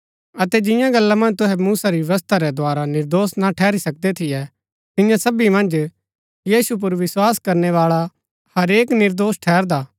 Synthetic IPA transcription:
ɐt̪ɛd͡ʒɪ̃jãɡɐlːamɐ̃nd͡ʒt̪ʊɦɛmuːsaɾiʋʋɐst̪ʰaɾɛd̪ʱoaːɾanɪɾd̪oːsnaʈʰɛːɾisɐk̚d̪ɛt̪ʰɪjɛ | t̪ɪjãsɐbimɐ̃nd͡ʒ | jiːsup̬ʊɾʋɪswaːskɐɾnɛʋaːɭa | hɐɾeːknɪɾd̪oːsʈʰɛːɾd̪aː

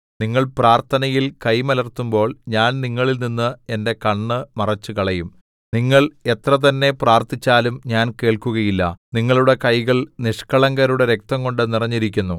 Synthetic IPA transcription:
niŋːɐɭpraːrt̪ʰɐnɐjilkɐjmɐlɐrt̪umbo̞ːɭɲaːnniŋːɐɭilninːɨe̞nde̞kɐɳːɨmɐrɐt͡ɕːukɐɭɐjum | niŋːɐɭe̞t̪rɐt̪̬ɐnːe̞praːrt̪it͡ɕːaːlumɲaːnke̞ːɭkuɣɐjilːɐ̰niŋːɐɭuɽe̞kɐjɣɐɭniʂkɐɭɐŋɡɐɾuɽe̞ɾe̞k̚t̪ɐŋko̞ɳɖɨnirɐɲːiɾik̬ʲːunːu

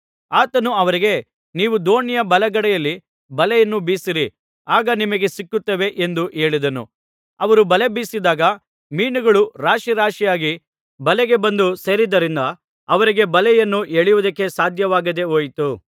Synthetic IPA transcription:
aːt̪ɐnuɐʋɐɾiɡe̞ | niːʋud̪o̞ːnijɐbɐlɐɡɐɽɛjɐlːi | bɐlɛjɐnːubiːsiɾi | aːɡɐnimɐɡe̞sikːut̪ːɐʋe̞ʔend̪uʔe̞ːɭid̪ɐnṵ | ɐʋɐɾubɐle̞biːsid̪aːɡɐ | miːnuɡɐɭuɾaːʃiɾaːʂijaːɡi | bɐlɛɡe̞bɐnd̪useːɾid̪ɐɾind̪ɐ | ɐʋɐɾiɡe̞bɐlɛjɐnːuʔeːɭijʋud̪ɐkːe̞saːd̪ʱjɐʋaːɡɐd̪e̞oːjt̪u

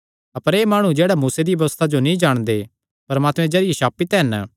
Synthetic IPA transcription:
ɐpəɾeːmaːɽ̃ũd͡ʒeːɽamuːsed̪iʋɐʋst̪ʰad͡ʒonĩd͡ʒaːɽ̃d̪e | pɐɾmaːt̪mɛ̃d͡ʒɐɾɪeʃaːpit̪ɦɛn

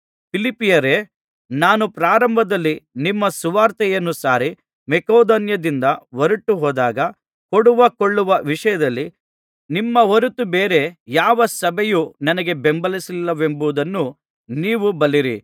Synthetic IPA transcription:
pʰilipːijɐɾeː | naːnupɾaːɾɐmbʱɐd̪ɐlːinimːɐsuʋaːɾt̪ɛjɐnːusaːɾi | mɛkoːd̪onjɐd̪ind̪ɐʋoɾuʈːuɦɔːd̪aːɡɐ | koɽuʋɐkoɭːuʋɐʋiʂɐjɐd̪ɐlːi | nimːɐɦoɾut̪ubeːɾe̞jaːʋɐsɐbʱɛjunɐnɐɡe̞bembɐlisilːɐʋe̞mbuʋd̪ɐnːu | niːʋubɐliɾḭ

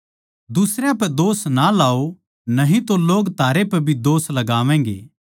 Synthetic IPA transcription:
d̪ʊsɾjapɛd̪oːsnalaːo | nɐɦĩt̪oloːɡt̪ʰaːɾepɛbʱid̪oːslɐɡaːʋɛ̃ːŋɡḛː

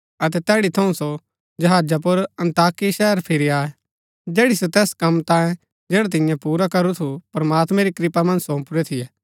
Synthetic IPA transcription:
ɐt̪ɛt̪ɛːɽit̪ʰɐ̃ũso | d͡ʒɐɦaːd͡ʒap̬ʊɾɐ̃nt̪aːkiʃɛɦəɾpʰɪɾiaːɛ | d͡ʒɛːɽisot̪ɛːskɐmt̪ãːjẽ | d͡ʒɛːɽat̪̬ɪ̃jãpuːɾakɐɾut̪ʰupɾɐmaːt̪mɛ̃ɾikɾɪpamɐ̃nsõːpʊɾɛt̪ʰɪjɛː

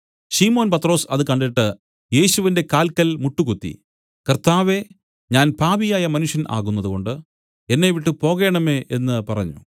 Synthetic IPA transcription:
ɕiːmo̞ːnpɐt̪ːro̞ːsɐðɨkɐɳɖiʈːɨ | je̞ːɕuʋinde̞kaːlkɐlmuʈːukut̪ːḭ | kɐrt̪aːʋe̞ | ɲaːnpaːbijaːjɐmɐnuʂjɐnʔa̰ːɣunːɐðuko̞ɳɖɨ | e̞nːe̞ʋiʈːɨpo̞ːɣe̞ːɳɐme̞ʔenːɨpɐrɐ̰ɲːṵ

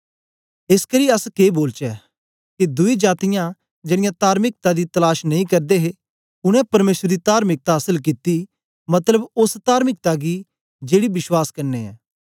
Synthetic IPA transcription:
ɪskɐɾiɐskeːboːlt͡ʃɛː | kid̪ʊid͡ʒaːt̪ɪjã | d͡ʒeːɽ̃ɪjãt̪aːɾmɪk̚t̪ad̪it̪ɐlaːʃnɐ̃ĩkɐɾd̪eɦe | ʊɽ̃ɛ̃pɐɾmeːsɾəd̪it̪aːɾmɪk̚t̪aɦɐsəlk̬ɪt̪ːi | mɐt̪ləbʊst̪aːɾmɪk̚t̪aɡi | d͡ʒeːɽibɪʃwaːskɐɾneɛ̰ː

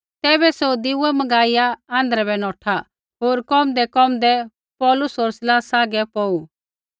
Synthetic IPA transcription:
t̪ɛːbɛsoːd̪iʊɛmɐɡaːɪjaãːnd̪əɾɛbɛnɔːʈʰa | ɦoːɾkɔːmd̪ɛkɔːmd̪ɛ | pɔːlʊsoːɾsɪlaːsaːɡɛpɔːu

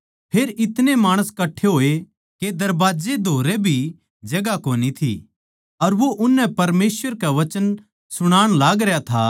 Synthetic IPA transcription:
pʰeːɾɪt̪nemaːɽ̃əskɐʈʰeɦoːe | ked̪ɐɾbaːd͡ʒed̪ʱoːɾebʱi | d͡ʒɐɡakoːnit̪ʰḭ | ɐɾʋoʔʊnːɛ̃pɐɾmeːsʋəɾkaʋɐt͡ʃən | sʊɽ̃aːɽ̃laːɡɾejat̪ʰa

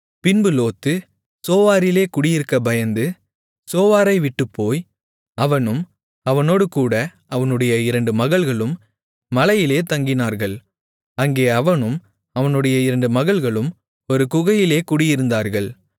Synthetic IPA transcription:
pɪnbɯloːt̪ːɯ | soːʋaːɾɪleːkʊɽɪjɪɾɯkːɐbɐjɐnd̪ɯ | soːʋaːɾɐɪʋɪʈːɯpʰːoːj | ɐʋɐnɯm | ɐʋɐnoːɽɯkuːɽɐʔɐʋɐnɯɽɐjɐɪɾɐɳɖɯmɐɣɐɭɣɐɭɯmː | ɐlɐjɪleːt̪ɐŋɡɪnaːɾɣɐɭ | ɐŋɡeːɐʋɐnɯm | ɐʋɐnɯɽɐjɐɪɾɐɳɖɯmɐɣɐɭɣɐɭɯm | ɔɾɯkʊɣɐjɪleːkʊɽɪjɪɾɯnd̪aːɾɣɐɭ

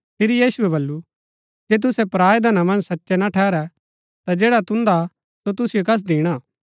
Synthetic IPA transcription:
pʰɪɾijiːsuɛβɐlːu | d͡ʒɛːt̪̬ʊsɛpɾaːjd̪ɐnamɐ̃nd͡ʒsɐtːʃɛnaʈʰɛːɾɛ | t̪ad͡ʒeːɽat̪ʊ̃nd̪a | sot̪̬ʊsɪjokɐs̬d̪iːɽ̃a

